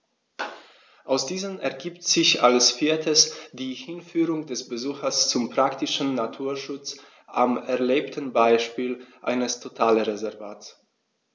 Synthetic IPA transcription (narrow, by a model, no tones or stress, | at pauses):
ʔaʊsd̥iːzəmɛɐɡiːptz̥ɪçalsfiːɐtʰəsd̥iːhɪnfyːʁʊŋdɛsb̥əzuːxɐst͡sʊmpʁ̥aktɪʃn̩natʰuːɐʃʊt͡s | ʔamɛɐleːptʰən̩baɪʃpiːlʔa̰ɪnəstʰotʰaːləʁezɛɐvaːts